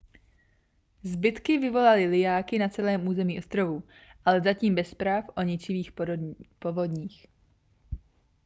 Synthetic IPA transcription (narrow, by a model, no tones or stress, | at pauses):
zbɪt̪kɪvɪvo̞lalɪlɪjaːkɪnat͡sɛlɛːmʔuːzɛmiːʔost̪ɾovuʔalɛzaciːmbɛspɾaːfʔo̞ɲɪt͡ʃɪviːxpovodɲiːx